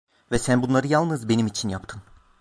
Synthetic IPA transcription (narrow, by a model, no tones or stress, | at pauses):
vɛsænbunlˠaɾɯjalˠnɯzbe̞nimit͡ʃʰinjap̚t̪ʰɯn